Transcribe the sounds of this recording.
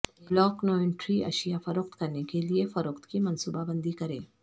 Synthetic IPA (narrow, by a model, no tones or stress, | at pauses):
blɔːknoːɪ̃ɳʈɾiʔɐ̰ʃijafɐɾoqt̪kɐɾnekeliefɐɾʊqt̪kimɐ̃nsuːbabɐ̃nd̪ikɐɾḛ̃ː